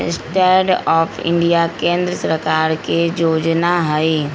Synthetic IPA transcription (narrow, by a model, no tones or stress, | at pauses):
sʈɛːɾɖɔːpʰɪ̰̃ɳɖijakẽːnd̪ɾəsəɾkaːɾkejoːd͡ʒnaɦəi